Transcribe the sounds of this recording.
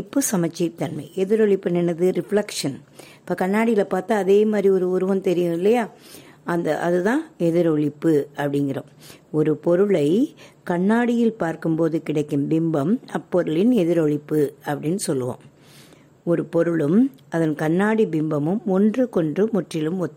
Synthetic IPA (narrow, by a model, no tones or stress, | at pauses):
pːɯsɐmɐt͡ʃːɐɪt̪ːɐnmɐɪʔɛðɪɾɔɭɪpːɛnɛnɐðɯɾɪfɭɐkʂɐnɪpːɐːkɐnːaːɽɪjɪlɐpaːɾt̪aːɐðeːmaːd̪ɾiɔɾɯʊɾɯʋɐmt̪ɛɾɪjɯ̃ɪlːɐjaːɐnd̪ɐʔɐðɯt̪ãːɛðɪɾɔɭɪpːɯɐpːɐɽɪŋɡɪrɐ | ɔɾɯpɔɾɯɭɐɪkɐɳːaːɽɪjɪlpaːɾkɯmpoːðɯkɪɽɐɪkːɯmbɪmbɐmɐpːɔɾɯɭɪnɛðɪɾɔɭɪpːɯɐpːɐɽɪnːɯsɔlːɯʋõ̰ːm | ɔɾɯpɔɾɯɭɯm | ɐðɐnkɐnːaːɽibɪmbɐmɯmɔndrɯkɔndrɯmʊʈrɪlɯmɔt̪ː